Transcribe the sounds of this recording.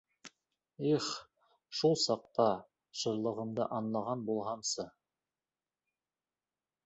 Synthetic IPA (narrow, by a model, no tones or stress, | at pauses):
iχ | ʃulˠsɑq̚t̪ɑ | ʃɤ̆ɾlˠɤ̆ʁɤ̆md̪ɤʔɑnlˠɑʁɑnbulˠʁɑmsɤ